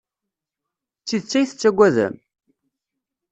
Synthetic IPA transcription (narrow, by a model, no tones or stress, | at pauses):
t͡sːiðt͡sːæjθə̥t͡sːæɡʷːæðæ̰m